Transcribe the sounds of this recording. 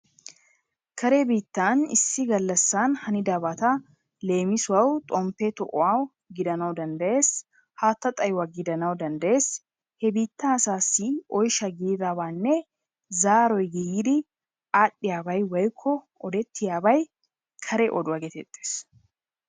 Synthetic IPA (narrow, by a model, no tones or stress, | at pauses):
kʰɐɾebiːt̪ːaːnɪsːɪɡɐlːɐsːaːnhɐnɪd̪aːbat̪ɐ | le̞ːmɪsʊwɐwt̪ʼɔmpːɛt̪ɔʔɔ̰aw | ɡɪd̪ɐnɐwd̪ɐnd̪ɐe̞ːs | haːt̪ːɐt̪ʼɐjwaɡɪd̪ɐnɐwd̪ɐnd̪ɐʔe̞ːs | hɛbiːt̪ːaːsaːsiːɔjʃɐɡiːɾaːbaːnːɛ | zaːɾɔjɡijd̪ɪ | ʔaːɗːɪjaːbɐjwɐjkʰːɔ | ɔd̪ɛt̪ːɪjaːbɐj | kʰɐɾɛʔɔd̪ʊɐɡet̪ɛ̰t̪ʼːe̥ːs